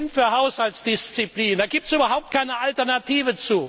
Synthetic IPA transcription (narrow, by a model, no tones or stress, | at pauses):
nfyːɐhaʊshaltsd̥ɪst͡sipliːnd̥aːɡiːp̚tsʔyːbɐɦaʊp̚t̚kʰaɪnəʔaltɛɐnatiːvət͡suː